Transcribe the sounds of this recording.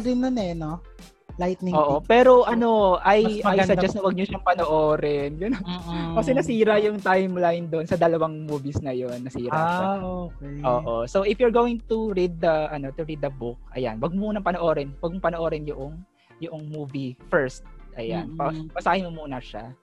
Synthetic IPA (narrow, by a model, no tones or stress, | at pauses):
ɾɪnːonɛno | lajt̪̚nɪoːʔopɛːɾo̞ʔɐno̞ʔɐjʔɐajsɐd͡ʒɐsnɐwɐɡ̚ɲʊʃɐŋpɐnoʔoːɾɛnjʊnːkɐsɛnɐsiːɾɐjʊŋt̪ajmlajnd̪o̞nsɐd̪ɐlɐwaŋmuːvisnɐjonːɐsiːɾaaokejoːʔosowʔɪfjʊɹɡoːwɪŋt̪uɹid̪̚ːɐʔɐno̞t̪ʊɹid̪ːɐbʊk̚ɐ̰ja̰nwɐɡ̚mmuːnɐŋpɐnoʔo̞ːɾɛnwɐɡ̚mopɐnoʔoːɾɪnjʊʔoŋ | jʊʔoŋmuːvifɛɹst̪̚ʔɐ̰ja̰npɐpɐsaːhɪmomuːnɐʃa̰